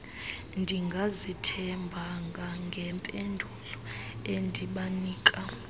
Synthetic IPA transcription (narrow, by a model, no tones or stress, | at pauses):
ndʱiŋɡʱazitʰɛmbʱaŋɡʱaŋɡʱɛmpʼendʱulɔendʱiɓaniːkʼa